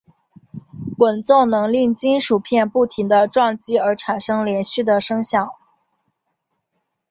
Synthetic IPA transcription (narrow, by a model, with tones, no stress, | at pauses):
kwə˨˩nt͡so˥˩ʊnɤ˧˥ŋli˥˩ŋt͡ɕi˥nʂu˨˩pʰjɛ˥˧npu˥˩t̪ʰi˧˥ŋd̪ə˧ʈ͡ʂwɑ˥˩ŋt͡ɕi˥ə˞˧˥ʈ͡ʂʰa˨˩nʂɤ˥ŋljɛ˧˥nɕy˥˩d̪ə˩ʂɤ˥ŋɕjɑ˥˩˦ŋ